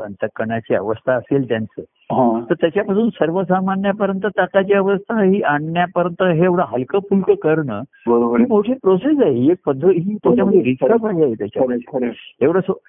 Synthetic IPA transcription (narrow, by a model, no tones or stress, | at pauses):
ə̰nt̪əkːəɳat͡ɕiə̰ʋəst̪ʰaːselt̪jant͡səː | ɦãt̪əɾt̪jat͡ɕjapasuːnsəɾʋəsamanːjapəɾjənt̪ət̪akat͡ɕjaəʋəst̪ʰaɦiːʔaɳːjapəɾjənt̪əɦeeʋɽaɦəlkəpʰulʈəkəɾɳəː | bəɾobəimoʈʰepɾoses̬aɦiek̚pəd̪ʱːəɦiːt̪ut͡ɕjaməd̪ʱːeɾisɾapaɦiaɦet̪jat͡ɕaəɾeeʋɽəsə